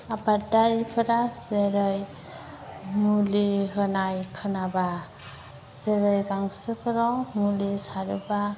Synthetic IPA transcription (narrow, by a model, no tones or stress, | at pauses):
abadaɾipʰɯɾazeɾɯj | muliɦɯnajkʰɯnaba | zeɾɯjɡaŋsɯpʰɯɾawmulisaɾɯba